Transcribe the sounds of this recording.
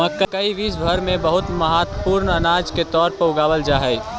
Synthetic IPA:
mɐ̃kːəkɐiʋiːsbʱɐɾmẽbɐɦʊt̪mɐɦaːt̪puːɾnɐnaːd͡ʒket̪ɔːɾpɐʊɡaːʋəld͡ʒaːɦɛi

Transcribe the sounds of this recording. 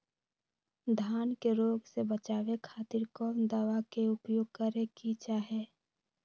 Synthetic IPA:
d̪ʱaːnkeɾoːɡsebət͡ʃaːʋekʰaːt̪ɪɾkɔːmd̪aːʋakeʊpjoːɡ̚kəɾekit͡ʃaːɦeː

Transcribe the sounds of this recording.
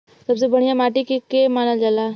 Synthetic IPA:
sɐbsebɐɽ̃ijamaːʈikekemaːnald͡ʒaːlaː

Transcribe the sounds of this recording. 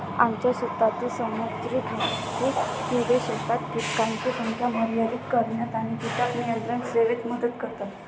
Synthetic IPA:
amt͡ɕjasut̪ːat̪iːsəmut̪ɾiɡʱikʰu | t̪ideɕət̪at̪kit̪kãnt͡ɕit̪umt͡ɕjaməɾjaɾikːəɾɳjat̪aɽ̃it̪it̪at̪nijənt̪ɾənseʋet̪məd̪ət̪kəɾt̪at̪

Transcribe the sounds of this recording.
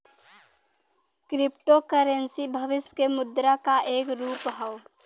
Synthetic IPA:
kɾɪp̚ʈokəɾensibʱəʋɪskemʊd̪ɾakaʔeːkɾuːpɦəʊ

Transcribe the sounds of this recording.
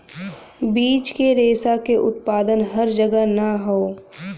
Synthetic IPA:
biːt͡ʃkeɾeːsakeʔʊt̪̚paːd̪ənɦɐɾd͡ʒəɡənɐɦoː

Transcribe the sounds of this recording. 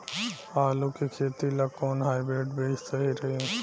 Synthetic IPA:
aːlukikʰeːt̪ilakoːnɦaːibɾeːʈbeːssɐɦiɾɐɦiũ

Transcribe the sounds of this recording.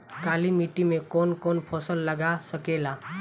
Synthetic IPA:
kalimiʈimekonkonpʰɔsəlːəɡasəkela

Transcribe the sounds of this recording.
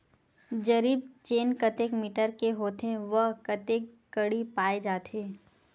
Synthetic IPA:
d͡ʒɐɾiːb̚t͡ʃeːnkət̪ekmiːʈəɾkeɦoːt̪ẽʋəɦkɐt̪eːkːəɽipaːed͡ʒaːt̪eː

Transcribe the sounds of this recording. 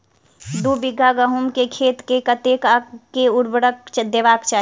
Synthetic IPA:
d̪ubɪɡʱːaɡəɦumkekʰeːt̪kekət̪eːkakːeʊɽbəɽəkt͡ʃd̪eʋaːkt͡ʃaː

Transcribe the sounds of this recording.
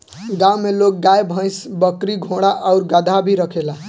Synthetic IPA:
ɡãwmelok̚ɡajbʱʌ̃jsbəkɾiɡʱõɽaʔəʊɾɡəd̪ʱabʱiɾəkʰela

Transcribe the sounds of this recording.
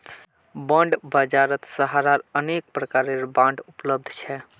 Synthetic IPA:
bəɳɖbəd͡ʒaɾət̪səɦaɾaɾənek̚pɾəkaɾeɾbãɳɖupləb̚d̪ʱt͡ʃʰɛ

